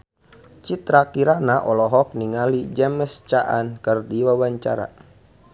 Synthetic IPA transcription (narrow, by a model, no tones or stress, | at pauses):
t͡ʃit̪ɾakiɾanaʔɔlɔɦɔk̚niŋalid͡ʒɛməst͡ʃaʔa̰nkərdiwawaɲt͡ʃaɾa̰